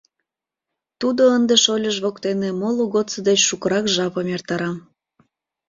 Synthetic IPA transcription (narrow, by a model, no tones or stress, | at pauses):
t̪ud̪oənd̪eʃolʲəʒβokt̪enemoluɣot͡səd̪et͡ɕʃukəɾɑkʒɑpəmert̪ɑɾɑm